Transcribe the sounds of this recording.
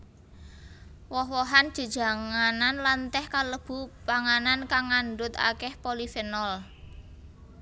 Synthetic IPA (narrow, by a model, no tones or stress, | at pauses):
wɔɦwɔɦand̥ʒ̥o̤d̥ʒ̥a̤ŋananlant̪ɛhkaləb̥ṳpaŋanankaŋːanɖʊt̪a̰kɛhpolifənɔl